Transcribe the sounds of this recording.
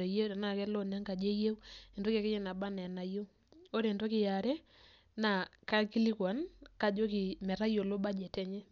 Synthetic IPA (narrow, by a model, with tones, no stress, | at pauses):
e˨je˦ɾa˨na˦˨kɛ˦lɔ˦na˦ŋɡa˨d͡ʒe˦je˦we˨ndo˦ka˨kɛ˦ɲɛ˦na˨ba˦nɛ˨na˨jo˦ | o˦ɾe˨ndo˦kɪ˨ja˨ɾɛ˦ | na˨ka˦ki˦li˦kwa˨˦nka˨d͡ʒo˦kɪ˨mɛ˨ɾa˦jo˨lo˦ba˦d͡ʒɛ˨tɛ˦ɲɛ˦